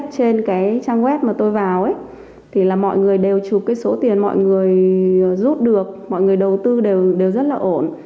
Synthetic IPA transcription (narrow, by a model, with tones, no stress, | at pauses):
t̚t͡ɕe˧nkaː˨˦jt͡ɕaː˧ŋɣwɛ˦˥t̚maː˨˩t̪o˧jvaː˨˩wʔə˨˦j | t̪ʰi˨˩laː˨˩mɔ̰˧˨jŋɨ˨˩əjɗe˨˩wt͡ɕu˨˩kːaː˨˦jso˨˦t̪i˨˩ənmɔ̰˧˨jŋɨ˨˩əjzu˦˥t̚ɗɨ˨˩ək̚mɔ̰˧˨jŋɨ˨˩əjɗə˨˩wt̪ɨ˧ɗe˨˩wɗe˨˩wzə˦˥t̚laː˨˩ʔo˧˩˨n